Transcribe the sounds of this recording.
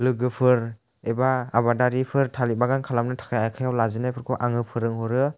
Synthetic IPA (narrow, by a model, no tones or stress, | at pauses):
lɯɡɯpʰɯɾ | ebaːbadaɾipʰɯɾtʰalibaɡankʰalamnɯtʰḁkʰajajkʰajawlazɯnajpʰɯɾkʰuʔaŋɯpʰɯɾɯŋɦɔɾɯ